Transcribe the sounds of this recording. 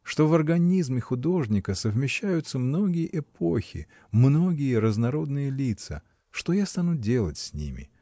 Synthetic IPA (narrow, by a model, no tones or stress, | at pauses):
ʂt̪o̞vərɡɐnʲizmʲɪxʊd̪o̞ʐnʲɪkəsəvmʲɪɕːæjʊt̪səmno̞ɡʲɪjəʔɪpʰoxʲɪ̰ | mno̞ɡʲɪjəɾəznɐɾo̞d̪nɨjəlʲit̪sə̰ | ʂt̪ojast̪anudʲe̞lˠətʲsʲnʲḭmʲɪ̰